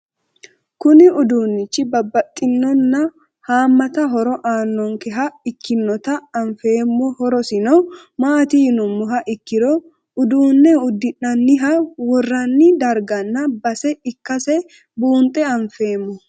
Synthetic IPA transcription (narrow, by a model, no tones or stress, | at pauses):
kʊnɪʊd̪uːnːɪt͡ʃːɪbɐbːɐt̪ʼːɪnːɔnːɐ | haːmːɐt̪ɐɦɔɾɔʔaːnːɔŋkɛɦɐɪkːɪnːɔt̪ɐɐɱfe̞ːmːɔhɔɾɔsɪnɔ | maːt̪ɪjnʊmːʊɦɐʔɪkːɪɾɔ | ʊd̪uːnːɛʊd̪ːɪnːɐnːɪɦɐwɔrːɐnːɪd̪ɐɾɡɐnːɐbɐsɛɪkːɐsɛ | buːnt̪ʼːɛɐɱfe̞ːmːɔ